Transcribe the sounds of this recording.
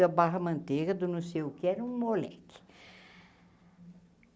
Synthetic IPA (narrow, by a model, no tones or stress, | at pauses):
ɐbaɦɐmɐ̃nt̪eɡɐd̪ʊnõsejʊkeɛɾɐũmolɛ̰kɪ̥